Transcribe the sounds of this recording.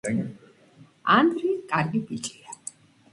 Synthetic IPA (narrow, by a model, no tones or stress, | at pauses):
and̪ɾiskʼaɾɡibit͡ʃʼia